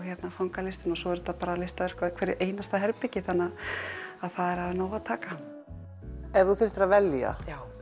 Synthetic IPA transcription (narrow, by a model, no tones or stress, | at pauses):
çjɛt̪nafawŋkalɪst̪ɪnɔsɔɛɾt̪apaːɾalɪst̪avɛɾ̥kvakʰvɛːɾɪʔeːjnast̪aɦɛɾpɪcɪθanːaðaðθaðɛɾ̥havɪnoːwaðt̪ʰaːka | ɛɾðuθɪr̥t̪ɾavɛlja̰jaːw